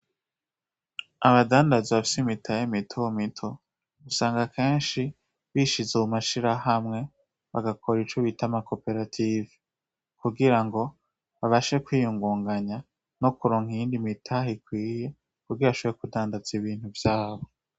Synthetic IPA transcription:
aβadaːndazeβafi̥simitʰajimitʰojomitʰo̞ | ɡusaːŋɡakʰe̞ːnʃi | βiːʃizuumaʃiɾahamŋe̞ | βaɡakʰo̞ɾit͡ʃoβitamako̞pe̞ɾatʰivi | kuɡiɾaŋɡo̞ | βaβaʃe̞kwiːjuŋɡuːŋɡaɲa | no̞kuɾoːŋ̥ijiːndimitʰaɦikwiːje̞ | kuɡiβaʃoβeɾekudaːndaziβiːn̥huvjaːβo̞

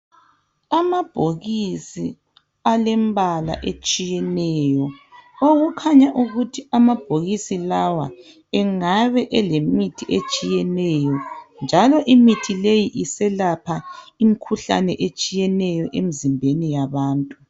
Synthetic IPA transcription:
amab̥ʱoɣisi | alɛmbʱala̰ʔet͡ʃʼijɛnɛːjɔoɣukʰaɲaʔuɣutʰiamab̥ʱoɣisilawa̰ | ɛŋaβɛʔɛlemitʰiʔet͡ʃʼijɛnɛjɔnd͡ʒʱalɔʔimitʰilejiʔisɛlapʰaimikʰuɬa̰nɛʔet͡ʃʼijɛnɛjɔʔemizimbʱenijaβaːntʼu

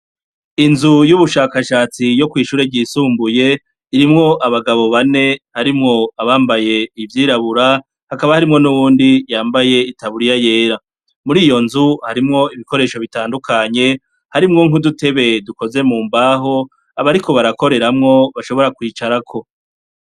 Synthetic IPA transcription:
inzujuβuʃaːkaʃaːt͡sijo̞kwiːʃuːɾe̞vɟiːsuːmbuje̞ | iɾimŋo̞ʔaβaɡaβo̞βane̞haɾimŋo̞aβaːmbaje̞ivjiːɾaβuɾa | hakaβahaɾimŋo̞nuβuːndijaːmbaje̞itaβuɾijaje̞ːɾa | muɾiːjo̞nzuhaɾimŋo̞iβiko̞ɾe̞ːʃo̞βitaːndukʰaɲe̞ | haɾimŋo̞ŋudute̞βe̞duko̞ze̞muːmbaɦo̞ | aβaɾiko̞βaɾako̞ɾe̞ɾamŋo̞βaʃo̞βo̞ɾakwiːt͡ʃaɾakʰo̞

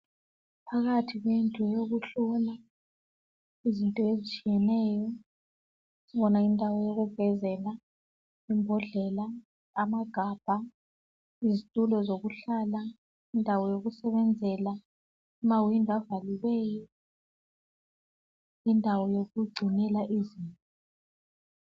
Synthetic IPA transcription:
pʰaɣatʰiɣwentʼɔjoɣuɬɔla | izintʼɔezit͡ʃʼijɛnɛːjɔ | iɓɔnaindʱawɔjoɣub̥ʱɛzɛla | imbʱɔɮɛlaː | maɡ̥ʱaːb̥ʱa | izitʼulɔzok̬uɬaːla | indʱawɔjok̬usɛɓɛnd͡zʱɛla | imawiŋavalilɛːjɔ | indʱawɔjok̬uɡ͡ǀʱinɛlaʔiziːntʼɔ

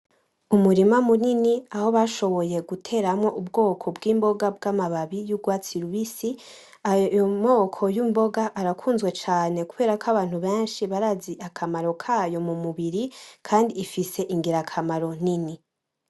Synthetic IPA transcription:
umuɾimamuniniaho̞βaʃo̞βo̞je̞ɡutʰe̞ːɾamŋo̞ʔubɡo̞ːkʰo̞bɡiːmbo̞ɡabɡamaβaβijuɡwaːt͡siɾuβisi | ajomo̞ːkʰo̞jumbo̞ɡaʔːɾakʰuːnzɡwe̞t͡ʃaːne̞kuβe̞ːɾakaβaːn̥huβe̞ːnʃiβaɾaziʔakʰamaɾo̞kʰajo̞mumuβiɾikʰaːndiːfise̞ʔiŋɡiɾakʰamaɾo̞nini

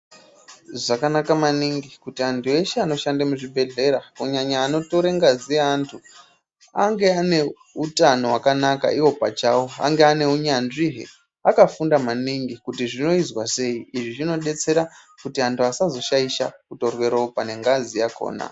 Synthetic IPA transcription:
ʐakanakamaniŋɡikutiantʰue̞ʃeano̞ʃandamuʐibʱe̞ɮe̞ɾakuɲaɲaːno̞to̞ɾeŋɡazieantʰu | a̰ŋɡe̞ane̞ | utano̞wakanaka̰iwo̞pat͡ʃawoa̰ŋɡe̞ane̞uɲanʐiɦḛ | akafundamaniŋɡikutiʐino̞izwase̞iiʐiʐino̞ɗe̞t͡se̞ɾa | kutiantʰuasazo̞ʃaiʃa̰kuto̞rwe̞ɾo̞pane̞ŋɡazijako̞̰ːna̰

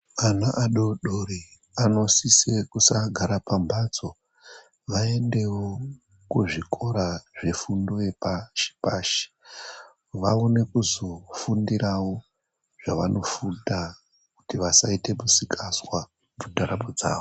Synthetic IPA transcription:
anaʔaɗo̞ɗoɾi | ano̞sisekusaɡʱaɾapambat͡so̞ | ʋae̞nde̞wo | kuʐikʰo̞ɾaʐe̞fundoe̞paʃi̥paːʃi̥ | ʋaone̞kuzo̞fundiɾawo̞ | ʐ̥aʋano̞fuda | kutiʋasaite̞musikʰaswa | mutaɾabod͡za̰ːʋo

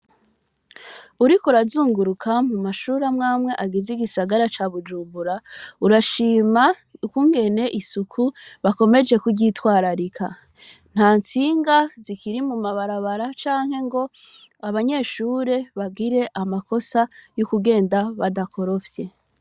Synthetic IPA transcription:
uɾikuɾazuːŋɡuɾukʰamumaʃuːɾamŋaːmŋe̞ʔaɡiziɡisaɡaɾat͡ʃaβud͡ʒuːmbuɾauɾaʃiːmakuŋɡe̞ne̞ʔisukʰuβako̞me̞d͡ʒe̞kuɟitwaːɾaɾikʰa̰ | n̥haːnt͡siːŋɡazikiɾimumaβaɾaβaɾat͡ʃaːŋ̥he̞ŋɡo̞ | aβaɲe̞ːʃuːɾe̞βaɡiɾe̞ʔamako̞sajokuɡe̞ːndaβadakʰo̞ɾo̞fje̞

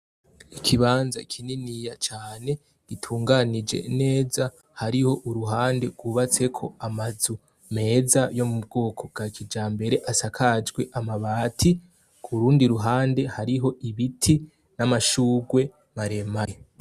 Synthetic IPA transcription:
ikʰiβaːnza̰kʰininijat͡ʃaːne̞ | ɡ̥itʰuːŋɡanid͡ʒe̞̰ine̞ːza | haɾiho̞ʔuɾuɦaːnde̞ɡwuβat͡se̞kʰo̞amazu | me̞ːzajo̞mub̚ɡo̞ːkʰo̞bɡ̥akʰid͡ʒaːmbe̞ɾe̞ʔasakʰad͡ʒɡwe̞ʔamaβaːtʰi | kʰuɾuːndiɾuɦaːnde̞haɾiɦo̞ʔiβitʰi | namaʃuːɡwe̞ | maɾe̞maje

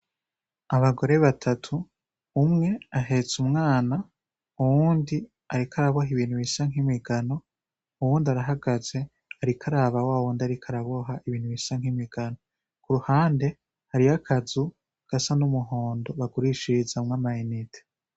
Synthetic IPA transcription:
aβaɡo̞ɾe̞βatʰatʰuː | mŋe̞aɦe̞t͡sumŋaːna | uwuːndi | aɾikʰaɾaβoɦiβiːn̥huβisaŋ̥himiɡano̞ | uwuːndiaɾaɦaɡaze̞ | aɾikʰaɾaːβawaːwuːndiaɾikʰaɾaβoɦaʔiβiːn̥huβisaŋhimiɡ̥ano | kuɾuhaːnde̞ | haɾiakʰazu | ɡ̥asanumuɦoːndo̞βaɡuɾiʃizamŋamainitʰe̥

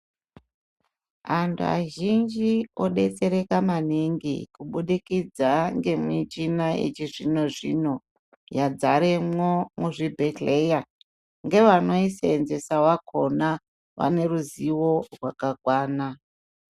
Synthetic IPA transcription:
antʰṵa̰ʒind͡ʒio̞ɗe̞t͡se̞ɾe̞kamaniŋɡḭkuɓuɗikid͡zaŋɡe̞mwit͡ʃinaḛt͡ʃiʐino̞ʐḭno̞ | jad͡zaɾemomuʐibʱetleja | ŋɡe̞ʋano̞iseenze̞sawakʰo̞na | ʋa̰ne̞ɾuziwo̞rwakakwaːna

